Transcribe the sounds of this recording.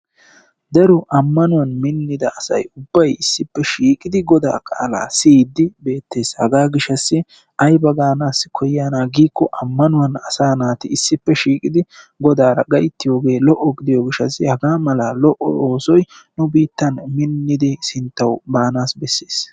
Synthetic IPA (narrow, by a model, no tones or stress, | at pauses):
d̪ɐɾɔʔɐmːɐnʊwɐnmɪnːɪd̪ɐɐsɐ̰jʊbːɐjɪsːɪpːɛʃiːkʼɪd̪ɪɡɔd̪a̰ːkʼa̰ːla̰ːsiːd̪ːɪbe̞ːt̪ːe̞ːshɐɡaːɡɪʃɐsːɪ | ʔɐjbɐɡaːnaːskʰɔjːaːnaːɡiːkːɔʔɐmːɐnʊwɐnɐsaːnaːt̪ɪɪsːɪpːɛʃiːkʼɪd̪ɪɡɔd̪aːɾɐɡɐjt̪ːɪjo̞ːɡe̞ːlɔʔːɔɡɪd̪ɪjɔɡɪʃːɐsːɪhɐɡaːmɐlaːlɔʔɔ̰oːsɔj | nʊbiːt̪ːɐnmɪnːɪd̪ɪsɪnt̪ːɐwbaːnaːsbɛsːeːs